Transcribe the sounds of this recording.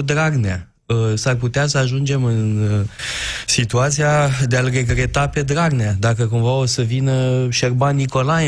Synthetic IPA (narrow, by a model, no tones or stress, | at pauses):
d̪ɾaɡnea | əsarput̪easəaʒund͡ʒe̞mɨn | sit̪uat̪sijad̪ealre̞ɡɾe̞t̪ape̞d̪ɾaɡnead̪akəkumvao̞səvinəʃerbanːiko̞laj